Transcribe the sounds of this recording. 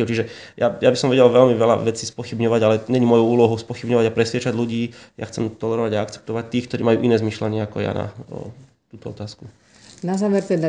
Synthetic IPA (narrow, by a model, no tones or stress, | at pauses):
t͡ʃiʒɛjajabisɔmʋɛɟɛlʋɛlmiʋɛla̰ʋɛt͡siːspɔxibɲɔʋaɟalɛɲɛɲimɔjuuːlɔɦuʊspɔxibɲɔʋaɟapɾɛsʋɪɛt͡ʃaɟluɟiːja̰xt͡sɛmt̪ɔlɛɾɔʋaɟaakt͡sɛ̥p̚t̪ɔʋac̚t̪ːiːkt̪ɔɾiːmajuːʔinɛːzmiʃlaɲɪɛakɔja̰na̰ | t̪uːt̪ɔɔt̪aːsku | nazaːʋɛɾt̪ɛd̪a